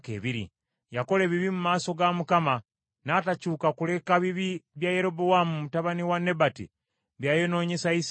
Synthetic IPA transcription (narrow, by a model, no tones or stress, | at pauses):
kḛːβiɾḭ | jako̞le̞ːβiβimumaːso̞ɡamukama | naːtacuːkakule̞kaβiβiβjajeɾo̞bowamumutaβaniwanːe̞batḭ | βjaːjo̞no̞ːɲe̞sais